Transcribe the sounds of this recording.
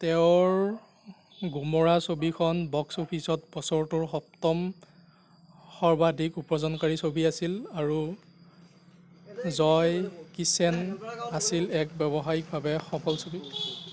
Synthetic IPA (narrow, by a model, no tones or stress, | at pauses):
tɛʊɹ | ɡumɔɹasobikʰɔnbɔksopʰisɔt̚pɔsɔɹtʊɹxɔp̚tɔm | xɔɹbadʱikupɔzɔnkaɹisobiasilaɹu | zɔjkisɛnasilɛk̚bɛbɔɦaɹik̚bʱabɛxɔpʰɔlsobi